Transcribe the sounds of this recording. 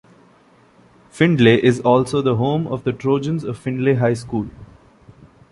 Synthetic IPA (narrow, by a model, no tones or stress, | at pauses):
fɪ̃ɳɖleʔɪzɔːlsoːd̪əɦõːmɔ̰ʋd̪əʈɾoːd͡ʒə̃nzɔʋfɪ̃ɳɖleɦaɪskuːl